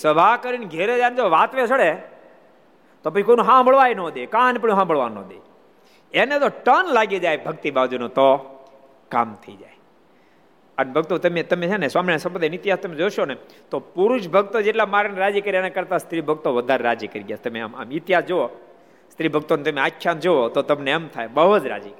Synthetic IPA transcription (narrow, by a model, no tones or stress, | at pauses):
səbʱakəɾinɡʱeɾed͡ʒajnd͡ʒoʋat̪ʋet͡ʃʰəɽe | t̪opət͡ʃʰikonõɦãbəɭʋajnõd̪ekãnpəɽjõɦãbəɭʋa̰nːɔ̰d̪ḛ | enet̪oʈənlaɡed͡ʒajbʱəɡt̪ibad͡ʒunõt̪o | ka̰ːmt̪ʰəid͡ʒaj | ənebʱəɡ̚t̪ot̪ɐmet̪ɐmet͡ʃʰaneswaːmninasɐmpəd̪ajnɪt̪ɪɦaːst̪ɐmed͡ʒoʃonet̪opuɾʊʃbʱəɡt̪od͡ʒeːʈlamaːɾeneɾaːd͡ʒikəɾianakəɾt̪ast̪ɾibʱəɡt̪oʋəd̪ʱaɾeɾaːd͡ʒikəɾiɡjaːst̪ɐmea̰ma̰mɪt̪ɪɦaːsd͡ʒoo | st̪ɾibʱəɡ̚t̪onet̪ɐmeakʰʃʰand͡ʒoot̪ot̪ɐmneamt̪ʰa̰jbəɦot̪ɾa̰ːd͡ʒik